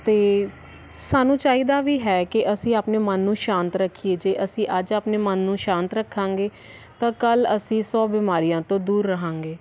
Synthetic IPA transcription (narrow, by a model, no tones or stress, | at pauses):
t̪eː | saːnũːt͡ʃaːiːd̪aːʋiːɦɛːkɪʔəsĩːaːpneːmənːũːʃãːnt̪ɾəkʰːieːd͡ʒeːʔəsĩːʔəd͡ʒaːpneːmənːũːʃãːnt̪ɾəkʰːãːŋɡeː | t̪ãːkələsĩːsɔːbɪːmaːɾijãːt̪õːd̪uːɾːəɦãːŋɡeː